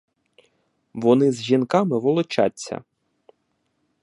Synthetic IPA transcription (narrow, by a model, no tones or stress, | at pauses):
ʋɔnɪzʒinkɑmɪʋɔlˠɔt͡ʃa̰tʲːɐ̰